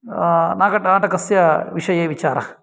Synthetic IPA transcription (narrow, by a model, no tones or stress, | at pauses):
naːkɐʈnaːʈɐkɐsjɐʋiʂɐjeːʋit͡ʃaːɾɐ̰